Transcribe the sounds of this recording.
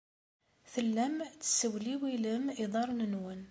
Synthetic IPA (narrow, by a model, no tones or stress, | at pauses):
θəlːæmt͡sːə̥səwliwiləmiðˤɑɾˤnənwən